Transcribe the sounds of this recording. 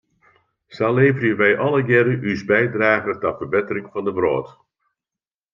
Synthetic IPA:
saleːvərjəʋɛjʔɑlˠəɡɪɾəʔysbɛjdraːɣətɔfərbɪtərɪŋfɑndəbro̰ːt

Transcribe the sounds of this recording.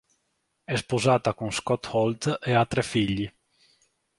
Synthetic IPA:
ɛspozaːt̪akuŋskɔt̪hɔlt̪eat̪ːɾɛfiʎːi

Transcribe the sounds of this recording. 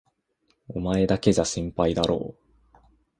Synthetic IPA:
o̞mae̞d̪ake̞ʑaɕĩmpaid̪aɾo̰ː

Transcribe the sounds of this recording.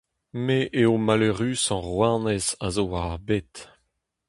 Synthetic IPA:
meʔeomaløʁyːsɑ̃ʁwanɛzazoaʁbet̪

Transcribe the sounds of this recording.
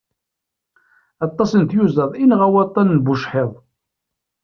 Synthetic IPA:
ɑt̪ˤːɑsənt̪juzəðˤinʁæwɑt̪ˤːɑnːbuʃħeðˤ

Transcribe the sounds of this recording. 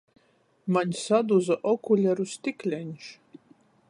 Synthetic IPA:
manʲsad̪uzəʔokʰulʲɛɾust̪iklʲɛnʲʃ

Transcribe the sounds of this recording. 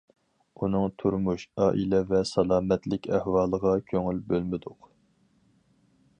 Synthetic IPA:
unɨŋt̪ʰuɾmuʃɑːʔilɛvɛsɑlˠɑːmɛt̪lɪkʲæhwɑːlˠəʁɑkʲʰøŋylbølmɪd̪ʊq

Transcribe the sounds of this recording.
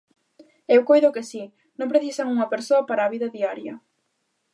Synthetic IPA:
ewkojðʊkɪsi | nõmpɾeθisɐŋuŋɐpeɾsoɐpaɾaːβiðɐðiaɾjɐ

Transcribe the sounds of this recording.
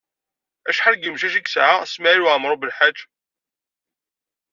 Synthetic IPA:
æʃħaɾɡəmʃæʃiksʕasmaiɾwʕəmɾˤobəlħad͡ʒː

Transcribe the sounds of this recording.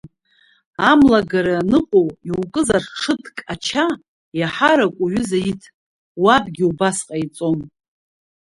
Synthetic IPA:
amlaɡaɾanɨqʷʼowiwkʼɨzarʈ͡ʂʰɨtʰkʼat͡ʃʰa | jaħaɾakʷʼuɥʏzaitʰ | wabɡʲiubasqʼait͡sʼo̞n

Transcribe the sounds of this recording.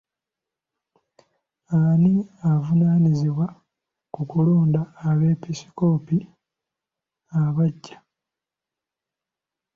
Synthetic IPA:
aniavunaːniziβwa | kukuloːndaːβe̞ːpisi̥ko̞ːpi | aβaɟːḁ

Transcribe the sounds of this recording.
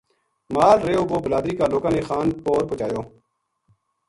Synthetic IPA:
maːɾɾeːoːʋoːbəlaːd̪ɾiːkaːloːkaːneːxaːnpoːɾpʊt͡ʃaːjoː

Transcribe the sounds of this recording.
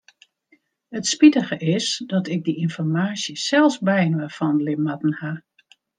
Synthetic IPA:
hətspitəɣəʔɪsdɔtɪk̚diinfɔrmaːsjəsɛlˠsbɛjnwəfɔnlɪpmatn̩ha

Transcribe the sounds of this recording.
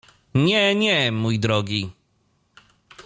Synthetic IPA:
ɲɛɲɛmujd̪ɾɔɡʲi

